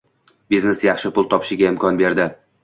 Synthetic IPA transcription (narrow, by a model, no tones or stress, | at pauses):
biznesjɑχʃɪpʊlˠt̪ʰɒpʰɪ̥ʃɪɡʲaɪmkʰɒnbe̞ɾd̪ɪ